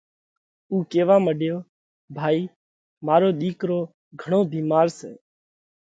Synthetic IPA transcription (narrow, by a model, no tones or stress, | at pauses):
uːkeːʋaːməɖjoː | bʱaːiː | maːɾoːɗ̪iːkɾoː | ɡʱəɳ̃oːbʱiːmaːɾsḛː